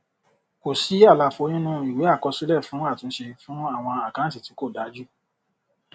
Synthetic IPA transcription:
ko˨si˨˦a˦˨la˧fo˧˦nĩ˦nũ˦i˨we˨˦a˦˨kɔ˧si˦lɛ˦˨fũ˨˦a˦˨tũ˨˧˦ʃe˧fũ˦a˦˨w̃ɔ̃˧a˨kã˨˦ti˨ti˨˦ko˦˨da˨˦d͡ʒu˦

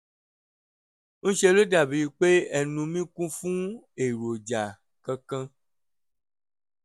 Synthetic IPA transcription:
ñ̩˦ʃe˧lo˦da˨bi˨˦˧k͡pe˦ɛ˨nũ˧mĩ˦kũ˦fũ˦ | e˨ɾo˨d͡ʒa˨ | kã˧kã˧

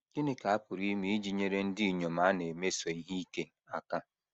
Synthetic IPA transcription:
ɪ˦nɪ˦ka˨a˦pʊ˨ɾi˦mi˦d͡ʒi˦˨ɲe˦ɾe˦n̩˦di˦i˨ɲo˨ma˨˦ne˨me˦so˨i˦ɦi˦i˦ke˦˨a˨ka˦

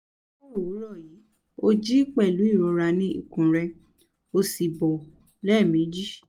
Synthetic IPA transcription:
o˦˨u˨˦ɾɔ˦˨ji˨˦ | o˧d͡ʒi˦k͡pɛ˦˨lu˨˦i˦˨ɾɔ˨˧ɾa˧nĩ˦ḭ˦˨kũ˨ɾɛ˧ | o˧si˨bɔ˨ | lɛ˦˨mĩ˨˦d͡ʒi˦

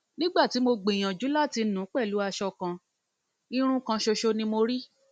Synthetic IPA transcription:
nĩ˦ɡ͡ba˦˨ti˨˦mo˧ɡ͡bĩ˨j̃ã˨d͡ʒu˨˦la˦˨ti˧nũ˨˦k͡pɛ˦˨lu˨˦a˧ʃɔ˧kã˧ | i˧ɾ̃ũ˦kã˧ʃo˧ʃo˧nĩ˧mo˧ɾi˦

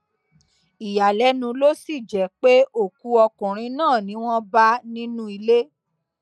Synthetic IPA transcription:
i˨ja˨lɛ˨˦nũ˧lo˦si˦˨d͡ʒɛ˨˦k͡pe˦o˦˨ku˧˦ɔ˧kũ˨ɾ̃ĩ˧nãː˦˨nĩ˨˦w̃ɔ̃˦ba˦nĩ˦nũ˦i˧le˦

